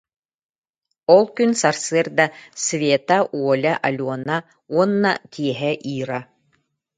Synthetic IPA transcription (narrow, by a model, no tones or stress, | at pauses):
ɔlˠkynsaɾsɨɾd̪ɐsvʲeːt̪aʔuɔlʲaʔalʲuɔna | uɔnːa̰t̪ʰʲiɛɦɛʔiːɾa